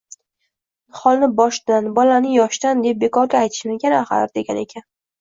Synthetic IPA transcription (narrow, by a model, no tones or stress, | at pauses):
χɒlˠnɪbɒʃd̪anbɒlanɪjɒʃd̪and̪e̞p̚be̞kʰɒɾɡʲaːjt̪ʰɪ̥ʃɪmɪkʲʰanaχa̰ɾd̪e̞ɡʲane̞kʲʰan